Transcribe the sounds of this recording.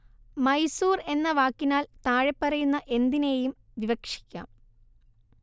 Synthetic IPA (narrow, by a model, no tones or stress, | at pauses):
mɐjsuːre̞nːɐʋaːkːinaːlt̪aːɻepːɐrɐjunːɐʔe̞nd̪ine̞ːjum | ʋiʋɐkʂi̥kʲːa̰ːm